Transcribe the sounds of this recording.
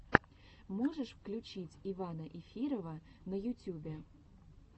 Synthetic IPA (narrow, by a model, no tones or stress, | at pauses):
moʐəʂfklʲʉt͡ɕitʲivanəʔɪfʲiɾəvə | nəjʊtʲubʲe